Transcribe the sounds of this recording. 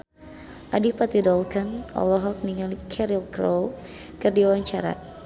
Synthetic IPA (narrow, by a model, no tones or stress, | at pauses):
ʔadipat̪idɔlkanɔ̰lɔɦɔk̚niŋalkʰɛɾilkɾow | kɨrdiawaɲt͡ʃaɾa̰